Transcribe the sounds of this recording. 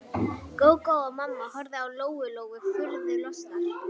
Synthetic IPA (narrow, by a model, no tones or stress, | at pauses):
koːwkowɔmamːahɔɾðɪawloːwʏloːwɣʏfʏɾðɪlɔst̪a